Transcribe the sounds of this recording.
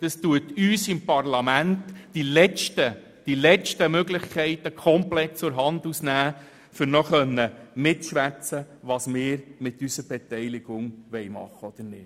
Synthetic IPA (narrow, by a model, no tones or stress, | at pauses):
d̥ɑstuətyːsɪmpɑrlɑmæntːilɛt͡ʃtə | d̥ilɛt͡ʃtəmøɡlɪχkʰɛɪtəkʰɔmplɛtt͡sʊɾɦɑnd̪usnæː | fʏɾnɔχœnːəmɪtʃʋæt͡sə | ʋɑsmɪːɾmɪt̪ːysəɾb̥ɛtɛɪlɪɡ̥ʊŋʋɛɪmɑ̰χːəɔd̥̪əɾnɪːt